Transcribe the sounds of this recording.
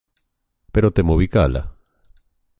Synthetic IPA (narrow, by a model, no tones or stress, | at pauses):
peɾot̪emoβikala̰